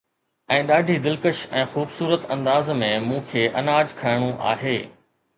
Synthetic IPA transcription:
ɛ̃ːɗaːɖʱid̪ɪlkəʃɛ̃ːxuːbsuːɾət̪ɐ̃nd̪aːzmẽmũːkʰeːʔɐnaːd͡ʑkʰɐjɪɽ̃uʔa̰ːɦeː

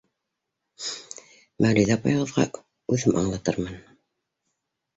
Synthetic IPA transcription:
mæwlijðæpɑ̰jʁɤ̆ðʁɑ̰ | ʉðɘmʔɑ̰ɴlˠɑt̪ɤ̰ɾmɑn

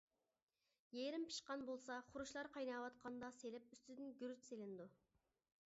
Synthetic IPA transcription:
jeɾɪmpʰi̥ʃqɑnbolˠsɑχʊɾuʃlˠɑɾqʰɑjnɑwɑt̪qʰɑnd̪ɑselɪp̚yst̪yd̪ɪnɡʲyɾyt͡ʃselɪnd̪u

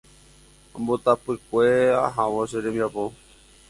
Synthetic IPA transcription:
mbot̪apɨkʷea̰ɦãʋõʃeɾẽmiapo

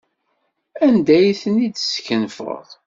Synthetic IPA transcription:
ænd̪æjθənid̪skənfə̰ðˤ

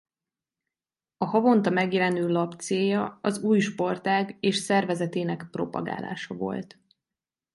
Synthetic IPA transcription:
ɒhɒvo̞nt̪ɒmɛɡjɛlɛnøːlɒpt̪seːjɒɒzuːjʃpo̞rt̪aːɡeːʃsɛrvɛzɛt̪eːnɛkpro̞pɒ̰ɡa̰ːla̰ːʃɒvo̞̰lt̪

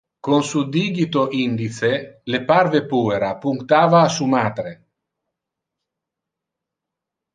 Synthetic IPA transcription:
konsud̪iːɡit̪oʔind̪it̪selepaɾvepuːeɾapuŋkt̪aːvaːsumaːt̪ɾe

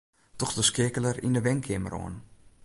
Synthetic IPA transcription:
tɔxdəskɪkələrḭndəʋɛŋkʰɪməɾo̰ən

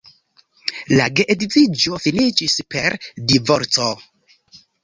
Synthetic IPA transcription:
la̰ɡeʔeditid͡ʒo̞finit͡ʃispe̞ɾdivoɾt͡so

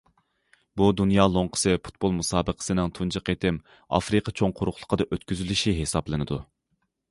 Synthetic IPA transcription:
bud̪unjɑːlˠoɴqʰə̥sɨpʰu̥t̪̚bolˠmusɑːbəqʰə̥sɨnɪŋt̪ʰund͡ʒəqet̪ɪm | ɑ̰fɾɨqʰət͡ʃʰoŋqʰʊɾʊχlˠə̥qʰəd̪ɑʔøt̪kʲyzylyʃiɦesɑblˠɨnɨd̪u

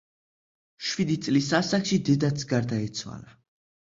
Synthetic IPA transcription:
ʃwid̪it̪sʼlisasakʃid̪ɛd̪at̪sɡaɾd̪aɛt̪sʰwa̰la

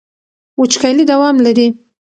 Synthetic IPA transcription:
wʊt͡ʃkajlid̪awɑmlaɾi

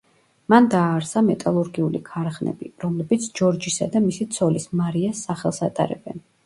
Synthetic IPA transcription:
mand̪aːɾsamɛt̪ʼalˠuɾɡiulikʰaɾχnɛ̰bḭɾɔmlɛbit̪sʰd͡ʒɔɾd͡ʒisa̰d̪amisit̪sʰɔlismaɾiasːaχɛlˠsat̪ʼa̰ɾɛ̰bɛ̰n

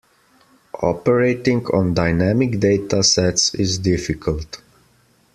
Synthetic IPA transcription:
ʔɔ̰pəɹeɪtɪ̃ŋɡɔ̰̃ndaɪnæmɪkd̪eɪtasɛtsɪzdɪfɪkʰəlˠt

